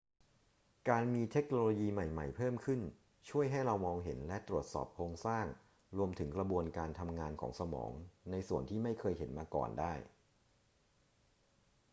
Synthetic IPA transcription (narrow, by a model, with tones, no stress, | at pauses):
kaː˧nmiː˧t̪ʰe˦˥k̚noː˧loː˧jiː˧ma˨˩jma̰˨˩jpʰɤː˥˩mkʰɯ˥˩n | t͡ɕʰu˥˩əjɦa˥˩jɾa˧wmɔː˧ŋɦe˩˦nlɛ˦˥t̪ɾu˨˩ət̪̚sɔ̰ː˨˩p̚kʰoː˧ŋsaː˥˩ŋ | ɾu˧əmt̪ʰɯ˩˦ŋkɾa˧bu˧ənkaː˧nt̪ʰa˧mŋaː˧nkʰɔː˩˦ŋsa˧mɔ̰ː˩˦ŋna˧jsu˨˩ənt̪ʰiː˥˩ma˥˩jkʰɤː˧jɦe˩˦nmaː˧kɔ̰ː˨˩ndaː˥˩j